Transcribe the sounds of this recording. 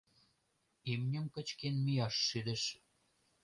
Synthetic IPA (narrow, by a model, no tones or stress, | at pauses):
imnʲə̆mkə̆t͡ɕkenmijɑʃːyd̪ə̆ʃ